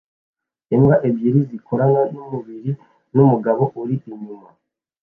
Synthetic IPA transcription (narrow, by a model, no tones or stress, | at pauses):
emɡaʔebɟiɾizikʰoɾaŋɡanumuβiɾi | numuɡaβo̞ʔuɾiʔiɲima